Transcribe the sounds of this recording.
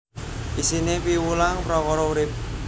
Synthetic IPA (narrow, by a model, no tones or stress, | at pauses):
ʔisinepiwulaŋpɾɔkɔɾɔuɾɪp̚